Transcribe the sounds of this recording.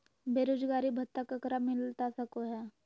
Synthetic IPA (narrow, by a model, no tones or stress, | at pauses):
beːɾoːd͡ʒɡaːɾibʱɐt̪ːəkəkɾamɪlt̪asɐkoɦɛː